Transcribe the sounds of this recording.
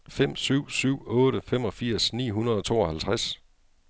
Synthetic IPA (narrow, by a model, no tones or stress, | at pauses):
fem̰syʊ̰syʊ̰ɔ̽ːɾəfem̰ɒ̽fiɐ̰snḭːɦunɐð̞ˠɒ̽t͡sʰo̝̰ːɒ̽hælt͡sʰʁas